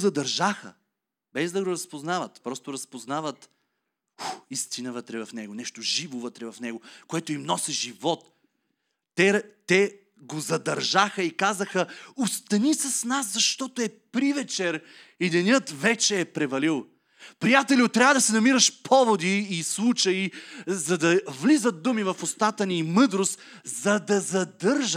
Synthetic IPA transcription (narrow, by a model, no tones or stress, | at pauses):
zɐd̪ɐɾʒaxə̰ | bɛzd̪ɐɡoɾɐspoznavət̪pɾɔst̪oɾɐspoznavət̪ | uist̪inəvət̪ɾɛvɐfnɛɡonɛʃt̪oʒivovət̪ɾɛvɐfnɛɡokoɛt̪ʊimnɔsɛʒivɔt̪ː | ɛt̪ɛ | ɡozɐd̪ɐɾʒaxəikazəxəʊst̪ɐnisɐsnaszɐʃt̪ɔt̪oɛpɾivɛt͡ʃɛɾ | id̪ɛnʲjɤt̪vɛt͡ʃɛːpɾɛvɐlilˠ | pɾijat̪ɛliʊt̪ːɾʲavɐd̪ɐsɛnɐmiɾəʃpʰɔvod̪iːslˠut͡ʃɐizɐd̪ɐvlizət̪̚d̪umivɐfost̪at̪əniːmɤd̪ɾost̪ | zɐd̪ɐzɐd̪ɤɾʒ